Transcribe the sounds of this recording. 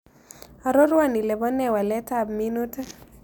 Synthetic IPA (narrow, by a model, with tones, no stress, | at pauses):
a˨ɾo˦ɾwa˦˨ni˨lɛ˨bɔ˦nɛ˦wa˨lɛ˦tabminu˦ta˦